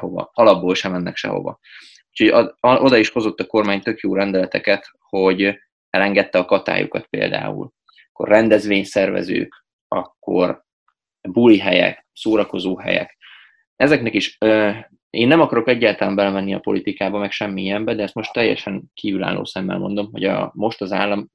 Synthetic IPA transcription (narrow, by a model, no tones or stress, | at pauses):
ɦovɒ̰ɒlɒbːoːlʃɛmɛnːɛkʃɛ̰ɦo̞̰vɒ̰ | uːcʰho̞ɟʔo̞d̪ɒiʃho̞zo̞t̪ːɒko̞rmaːɲt̪ø̞kjoːɾɛnd̪ɛlɛt̪ɛkɛt̪ | ho̞ɟ | ɛlɛŋɡɛt̪ːɛɒkɒt̪a̰ːjṵkɒ̰t̪̚pḛːld̪a̰ːṵl | kːo̞̰rrɛnd̪ɛzʋeːɲsɛrvɛ̰zø̰ːk | ɒ̰kːo̞̰r | buliɦɛjɛ̰k | soːɾɒko̞zoːɦɛ̰jɛ̰k | ɛzɛknɛkiʃø | eːnːɛmɒkɒɾo̞kɛɟːaːlt̪ɒlɛmbɛlɛmɛnːiɒpo̞̰lit̪ikaːbɒmɛkʃɛmːiijɛmbɛd̪ɛɛst̪mo̞ʃt̪ːɛjːɛ̰ʃɛŋkʰiːvyla̰ːlːo̰ːsɛmːɛ̰lmo̞̰nd̪o̞mɦo̞ɟɒ̰mo̞ʃt̪ɒzaːlːɒm